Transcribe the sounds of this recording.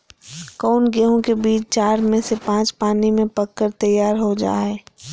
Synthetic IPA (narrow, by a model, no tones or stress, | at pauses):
kɔːnɡeːɦõkebiːt͡ʃt͡ʃaːɾmẽsepãːt͡ʃpaːnimẽpɐkːəɾt̪ɐjaːɾɦod͡ʒa̰ːɦɛː